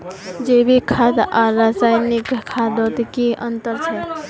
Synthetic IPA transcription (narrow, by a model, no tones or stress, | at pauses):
d͡ʒebʱikʰad̪ʔaɾasajnikkʰːad̪ot̪kiʔənt̪əɾt͡ʃʰɛ